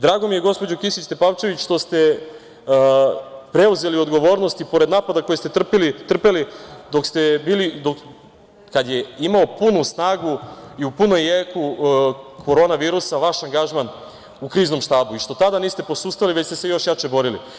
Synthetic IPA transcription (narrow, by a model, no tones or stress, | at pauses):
d̪ɾaːɡo̞mijeɡo̞spo̞d͡ʑokisit͡ɕt̪e̞paʋt͡ʃe̞ʋit͡ɕʃt̪o̞st̪e̞ | pɾe̞uze̞lio̞d̪ɡoʋo̞ːɾno̞st̪ipo̞ɾed̪naːpad̪ako̞jest̪e̞t̪r̩pilit̪r̩pelid̪o̞kst̪ebiːlid̪ok | kad̪jeimaopunusnaːɡuiupunojjeku | kʰo̞ɾo̞ːnaʋiːɾusaʋaʃaŋɡaʒman | ukɾiːzno̞mʃt̪aːbuiʃt̪o̞t̪ad̪aniːst̪e̞po̞suːst̪aliʋet͡ɕst̪ese̞jo̞ʃjat͡ʃe̞bo̞ɾilḭ